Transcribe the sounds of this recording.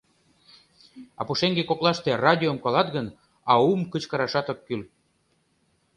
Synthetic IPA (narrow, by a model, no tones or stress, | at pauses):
ɑ̰puʃeŋɡekoklɑʃt̪erɑd̪ʲiomkɑlɑt̪ɣən | ɑumkət͡ɕkɑɾɑʃɑt̪okːyl